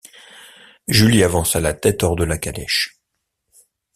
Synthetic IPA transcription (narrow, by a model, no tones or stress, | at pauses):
ʒyliavɑ̃salat̪ɛt̪ɔʁd̪əlakalɛ̰ʃ